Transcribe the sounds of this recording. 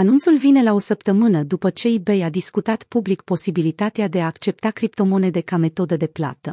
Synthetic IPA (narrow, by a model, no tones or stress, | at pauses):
anunt̪sulvine̞lao̞səpt̪əmɨnəd̪upət͡ʃe̞ibejad̪iskut̪at̪publik̚po̞sibilit̪at̪ead̪e̞aːkt͡ʃe̞p̚t̪akɾip̚t̪o̞mo̞ne̞d̪e̞kame̞t̪o̞d̪əd̪e̞pla̰t̪ə